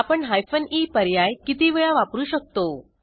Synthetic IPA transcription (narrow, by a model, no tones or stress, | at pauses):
apəɳɦajfəniːpəɾjajkit̪iʋəɭaʋapɾuːɕək̚t̪o